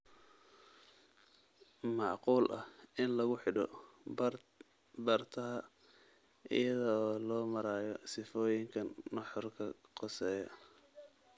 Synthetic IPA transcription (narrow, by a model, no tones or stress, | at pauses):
mɑʕquːlʔɐ̰hɪnlɐɣʊħɪɖɔ̰ | bɐrt̪ʰɐɦɐ | ʔɪ̰jɐðɐːlɔːmɐɾaːjɔsɪfɔːjɪŋkʰɐnːɑħɔrkʰɐqɔsɛːjɔ̰